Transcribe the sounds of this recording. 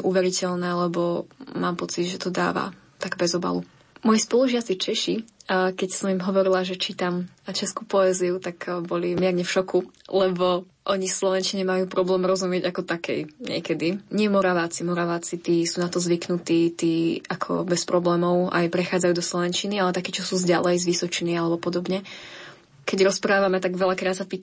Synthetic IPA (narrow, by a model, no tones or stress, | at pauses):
ʔuʋɛɾicɛlnɛːlɛbɔmaːmpɔt͡sid̪ʒɛt̪ɔd̪a̰ːʋa̰ | t̪aɡbɛzɔba̰lu | mɔjispɔlˠuʒɪat͡sit͡ʃɛʃikɛcsɔmimɦɔʋɔɾilaʒɛt͡ʃit̪amt͡ʃɛskupɔɛːziut̪akbɔlimɪɛɾɲɛfʃɔkulɛbɔ | ʔɔɲifslɔʋɛnt͡ʃiɲɛmajuːpɾɔblɛːmɾɔzumɪɛɟakɔt̪akɛ̰jɲɪɛ̰kɛd̪iɲɪɛmɔɾaʋaːt͡simɔɾaʋaːt͡sit̪iːsuːnat̪ɔzʋiknut̪iːt̪iːakʰɔ̰bɛspɾɔblɛːmɔʊa̰jpɾɛxaːd͡zajuːd̪ɔslˠɔʋɛnt͡ʃinialɛt̪akiːt͡ʃɔsuːzɟalɛjzʋisɔt͡ʃinialɛbɔpɔd̪ɔbɲɛ | kɛɟɾɔspɾaːʋamɛt̪aɡʋɛʎakɾaːt̪sapiːt̪